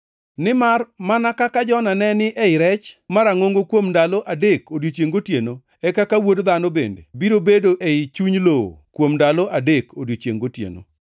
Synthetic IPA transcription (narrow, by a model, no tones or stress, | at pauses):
nɪmarmanakakad͡ʒɔnanɛnɪʔɛɪɾɛt͡ʃmaɾaŋoŋɡokwomndaloʔadekodjot͡ʃjeŋɡotjeno | ɛkakawodd̪anobḛndḛbiɾobedoʔeɪt͡ʃuɲlo̰kwomndaloʔadekʰodjot͡ʃjḛŋɡotjḛno̰